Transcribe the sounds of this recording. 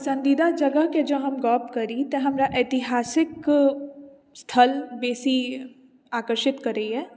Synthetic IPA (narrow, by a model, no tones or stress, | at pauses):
sɐ̃nd̪id̪ad͡ʒɐɡəɦked͡ʒɐɦɐmɡɔːpkɐɾit̪eɦɐmɾaʔeːt̪ɪɦaːsɪk | st̪ʰɐlbeːsi | aːkəɾʃɪt̪kɐɾeiɦɛː